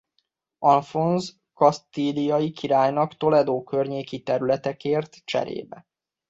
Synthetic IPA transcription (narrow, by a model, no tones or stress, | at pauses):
ɒnfonz | kɒst̪ilijɒjikʰiɾaːjnɒkt̪o̞lɛd̪oːkø̞rɲeːkit̪ɛɾylɛt̪ɛkeːrt̪t͡ʃɛ̰ɾḛːbɛ̰